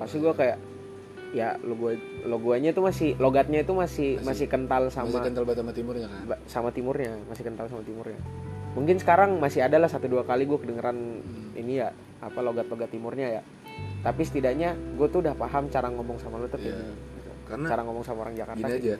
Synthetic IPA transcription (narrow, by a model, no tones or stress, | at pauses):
pasiɡuakajaʔ | jaloɡualoɡuaɲat̪umasɪhloɡat̪̚ɲait̪umasɪhmasɪhkənt̪alsamaakənt̪albat̪samat̪imʊrɲakabasamat̪imʊrɲamasɪhkənt̪alsamat̪imʊrɲamuŋkɪnsə̥kaɾaŋmasɪadalahsat̪uduakaliɡuakədəŋəɾanḭnija | apaloɡat̪̚loɡat̪ːimʊrɲaja | t̪apisə̥t̪idaʔɲaɡuat̪udahpaɦamt͡ʃaɾaŋɔmɔŋsamalut̪ait̪ukat͡ʃaɾaŋɔmɔŋsamaoɾaŋd͡ʒakarɡiaad͡ʒa